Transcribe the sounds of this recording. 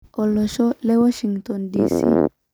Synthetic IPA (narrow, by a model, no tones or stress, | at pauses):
ʔɔlɔʃɔlɛwɔʃiŋɡt̪ɔndiːsḭ